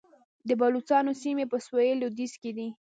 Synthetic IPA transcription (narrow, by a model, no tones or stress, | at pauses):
d̪əbɑlut͡sɑnosimepəswojelod̪izked̪i